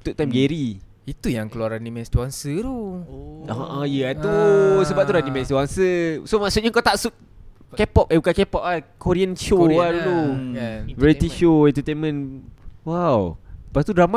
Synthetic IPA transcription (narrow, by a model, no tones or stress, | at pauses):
t̪uʔ̚t̪amɡɛɾi | it̪ujaŋkəluaɾanimɛ̃st̪uaŋsəɾo | aʔãjəat̪usəbap̚t̪uɾanimɛ̃st̪uaŋsəsomaʔsut̪̚ɲakat̪aʔsut̪̚ | kɛpɔp̚abukankɛpɔp̚akoɾiənʃoadulo | vɛɾit̪iʃoɛ̃nt̪ət̪enmə̃nwawpast̪udɾama